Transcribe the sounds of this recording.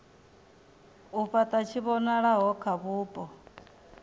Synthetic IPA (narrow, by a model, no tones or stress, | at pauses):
uɸat̪ʼat͡ʃʰiβɔnaɺaɦɔkʰaβuːpʼɔ